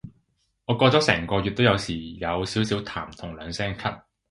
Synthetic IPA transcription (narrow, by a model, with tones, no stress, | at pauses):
ŋɔː˨˧kɔː˧t͡sɔː˨˥sɛ̰ː˨˩ŋkɔː˧jyː˨t̚t̪o˥wjɐ˨˧wsiː˨˩jɐ˨˧wsiː˨˥wsiː˨˥wt̪ʰaː˨˩mt̪ʰʊ˨˩ŋlœː˨˧ŋsɛː˥ŋkʰɐ˥t̚